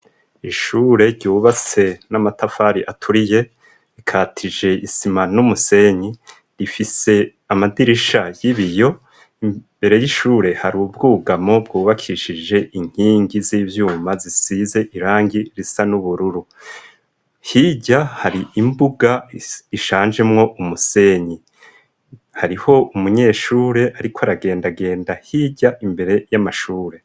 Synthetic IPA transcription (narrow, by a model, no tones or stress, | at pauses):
iʃuːɾe̞ɾɟuːβat͡se̞namatafaɾiʔatʰuɾije̞ | ɾikʰaːtʰid͡ʒe̞isimanumuse̞ɲi | ɾifise̞ | amadiɾiʃajiβijo̞ | i | be̞ɾe̞jiʃuːɾe̞haɾubɡuːɡamo̞bɡuːβakʰiʃid͡ʒe̞ʔiŋ̥hiːŋɡiziːvjuːmazisize̞ʔiɾaːŋɡiɾisanuβuɾuɾu | hiːɟahaɾiimbuɡaiʃaːnd͡ʒe̞mŋo̞ʔumuse̞ːɲi | haɾiho̞umuɲe̞ːʃuːɾe̞ʔaɾikʰoaɾaɡe̞ːndaɡe̞ːndahiɟaʔimbe̞ɾe̞jamaʃuːɾe̞